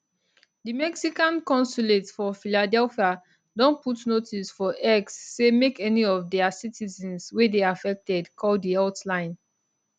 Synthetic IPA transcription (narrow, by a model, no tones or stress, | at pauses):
dimɛksikãnkɔ̃nsuletsfɔfiladɛlfia | dɔ̃nputnotisfɔʔɛksːemekɛniɔvdɛasitʰizɛ̃nswedeafɛk̚tɛdkʰɔldiaʊtlãɪ̃n